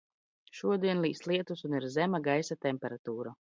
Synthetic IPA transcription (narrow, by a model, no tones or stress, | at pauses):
ʃuɔd̪iɛnlˠiːslˠiɛt̪usuniɾzɛmaɡajsat̪ɛmʲpʲɛɾat̪uːɾa